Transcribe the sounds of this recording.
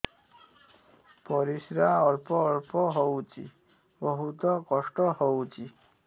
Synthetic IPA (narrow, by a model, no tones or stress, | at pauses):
pɔɾisɾaɔɾpɔːɾpɔɦɔwt͡ʃḭ | bɔɦut̪ɔkɔʂʈɔɦɔwt͡ʃʰi